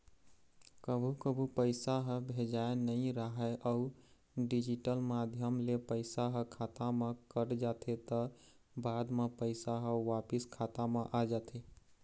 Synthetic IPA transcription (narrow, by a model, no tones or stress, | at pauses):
kəbʱukəbʱupəɪsaɦə̃bʱed͡ʒaenəĩɾəɦɛʔəu | ɖid͡ʒiʈəlmad̪ʱjəmlepəɪsaɦəkʰat̪amẽkəɾd͡ʒat̪ʰet̪ə | bad̪mepəɪsaɦəʋapiskʰat̪amẽʔad͡ʒat̪ʰe